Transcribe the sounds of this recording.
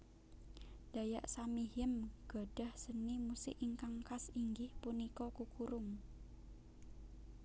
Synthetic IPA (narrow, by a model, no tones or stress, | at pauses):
d̥a̤jaʔsamiɦɪmɡ̥ɔ̤ɖ̥a̤hsənimusɪ̰ʔiŋkaŋkasiŋɡɪhpunikɔkukuɾʊŋ